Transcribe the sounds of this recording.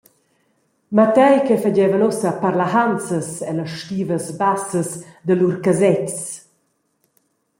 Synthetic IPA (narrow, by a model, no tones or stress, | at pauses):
mat̪ɛjkɛfad͡ʑɛvənɔsəpaɾlaɦant͡səsɛləʃtiːvəsbasəsd̪əluɾkazɛts